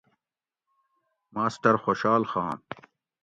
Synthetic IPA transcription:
maːsʈɐɾxoːɕaːlxãːn

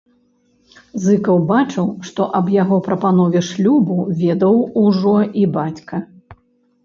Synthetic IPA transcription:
zɨkɐwbat͡ʂɨwʂt̪ɔʔɐbjaɣɔpɾɐpanɔvʲɛʂlʲubuvʲɛd̪ɐwuʐɔibat͡sʲkɐ

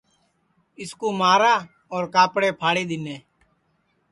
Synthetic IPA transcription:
ɪskoːmaːɾaː | ɔːɾkaːpɽeːpʰaːɽiːd̪ɪneː

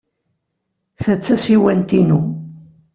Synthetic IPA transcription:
θət͡sːæsiwænt̪inu

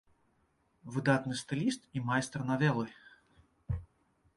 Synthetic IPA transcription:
vɨd̪at̪nɨst̪ɨlʲist̪imajst̪rnavʲɛlˠɨ

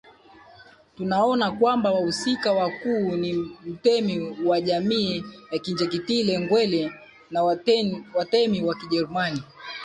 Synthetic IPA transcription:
tunaɔnakwambawahusikawakuːnim̩tɛmiwaʄamiːjakind͡ʒɛk̬itilɛŋɡwɛlɛ | nawatɛmiwakiʄɛɾumani

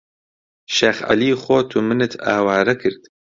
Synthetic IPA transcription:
ʃeːxa̰liːxoːt̪ʰumɨnɨt̪ʰa̰ːwaːɾɐkʰɨɾd̪

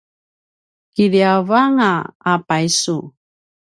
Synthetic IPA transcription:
kiɾiavaŋaapajsu

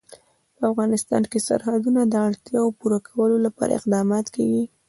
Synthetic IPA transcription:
pəafɣɑnɪst̪ɑ̰nkesa̰ɾhad̪unad̪əaɽt̪jɑopuɾakʰawəlolapɑ̰ɾa̰ɪ̰qd̪ɑmɑt̪kawi

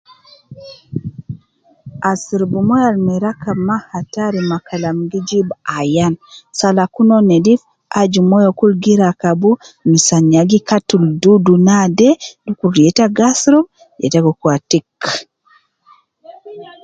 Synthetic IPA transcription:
ʔasiɾbumɔjalmiɾakamahataɾimakalamɡid͡ʒibajansalakunɔnɛdif | ʔad͡ʒumɔjɔkulɡiɾakabumisaɲaɡikatːuldudunadɛdukuɾjɛtaɡasɾɔ | jɛ̰taɡɔkwatik

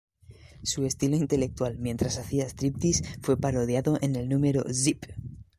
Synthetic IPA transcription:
sue̞st̪ilo̞int̪e̞le̞k̚t̪ualmje̞nt̪ɾasaθiaest̪ɾip̚t̪isfwe̞paɾo̞ðjaðo̞ʔe̞nelnũme̞ɾo̞̰zip

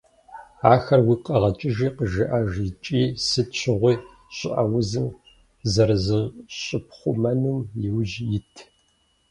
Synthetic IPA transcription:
aːxɐrwiːqɐʁɐt͡ʃʼɪʒiːqəʒɨʔaʒit͡ʃʼiːsɨtt͡ʃʰɪʁʷiː | ɕʼɪ̰ʔɐwʊzɨm | zɐrɨzɨʁɕʼɪp̚ʰχʷʊmɐnɨmjɪwʒjɪtʰ

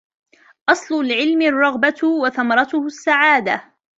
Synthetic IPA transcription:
ʔɑsˤlʊlʕɪlmɪrˤːɑɣbat̪waθamɑɾˤɑt̪ʊhʊsːaʕaːd̪a

